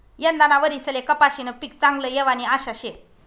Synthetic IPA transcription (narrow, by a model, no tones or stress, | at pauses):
jənd̪anaʋəɾit͡səlekəpaɕinəpik̚t͡sãŋɡləjeʋaniaɕaɕe